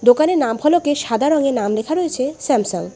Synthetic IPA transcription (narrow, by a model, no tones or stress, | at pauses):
d̪okaneɾnampʰɔlokeʃad̪ʱaɾɔŋenamlekʰaɾojet͡ɕʰesɛmsoŋ